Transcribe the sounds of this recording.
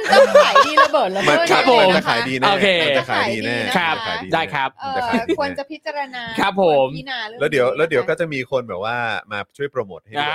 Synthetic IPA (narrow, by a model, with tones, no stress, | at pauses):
bːma˧˩kʰɾa˦˥p̚ʰːo˨˦mt͡ɕa˨˩kʰa̰ː˩˦jdiː˧noː˧˥kʰeː˧a˨˩kʰa̰ː˩˦jdiː˧nɛː˥˩kʰɾa˦˥˩kʰa˩˦jdiː˧daː˥˩jkʰɾa˦˥p̚ːt͡ɕa˧˩kʰa˦i˧ə˥t͡ɕa˨˩pʰi˦˥t͡ɕa˧ɾa˧na˧kʰɾa˦˥p̚ʰːo˨˩˦mlɛː˦˥wdi˨˩˦əwlɛː˦˥wdi˨˦wkɔː˥˩t͡ɕa˨˩miː˧kʰo˧nbɛː˨˩p̚waː˥˩maː˧t͡ɕʰu˥˩jpɾa˧moː˨˩t̪̚ha˥˩a˧˩